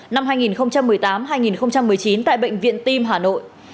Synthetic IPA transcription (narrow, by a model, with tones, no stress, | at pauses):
na˧mɦaː˧jŋi˨˩nxə˧wŋ͡mt͡ɕa˧mːɨ˨˩əjt̪aː˨˦mɦaː˧jŋi˨˩nxə˧wŋ͡mt͡ɕa˧mːɨ˨˩əjt͡ɕi˨˦nt̪a̰ː˧˨jɓə̰˧˨jŋ̟vḭ˧˨ənt̪i˧mɦaː˨˩no̰˧˨j